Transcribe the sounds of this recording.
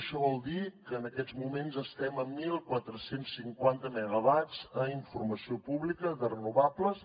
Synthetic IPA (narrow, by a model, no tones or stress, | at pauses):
ʃɔβɔlˠd̪ikəːnəkɛd͡zmumenzəst̪ɛməmːilˠkwat̪ɾəsensːiŋkwant̪əməɣəβad͡zəiɱfurməsiopuβlikəðərənuβapləs